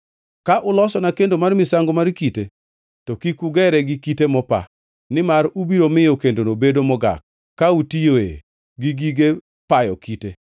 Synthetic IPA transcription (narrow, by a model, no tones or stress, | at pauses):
kaʔʊlɔsɔnakendomarmɪsaŋɡomaɾkite | tɔkikuɡɛɾɛɡɪkitemɔpa̰ | nɪmaɾubiɾomɪjokendonobedomɔɡa̰k̚ː | autijoḛ | ɡiɡiɡe | pajɔ̰kite